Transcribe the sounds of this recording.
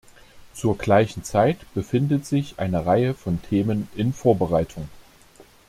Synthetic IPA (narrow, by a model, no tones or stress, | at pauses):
t͡suːɐɡlaɪçn̩t͡saɪtb̥əfɪndətz̥ɪçʔa̰ɪnəʁaɪəfɔntʰeːmənɪnfoːɐbəʁaɪtʰʊŋ